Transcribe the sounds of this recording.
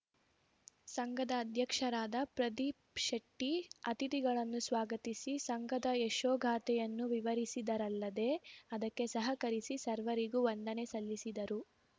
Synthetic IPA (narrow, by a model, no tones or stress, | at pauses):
sɐŋɡɐd̪ɐːd̪ʱjɐkʂɐɾaːd̪ɐpɾɐd̪i | ʃɐʈːiɐt̪it̪iɡɐɭɐnːusʋaːɡɐt̪isisɐŋɡɐd̪ɐeʃoːɡʱaːt̪ɛjɐnːuʋiʋɐɾisid̪ɐɾɐlːɐd̪e̞ɐd̪ɐkːe̞sɐɦɐkɐɾisisɐɾʋɐɾiɡuʋɐnd̪ɐne̞sɐlːisid̪ɐɾu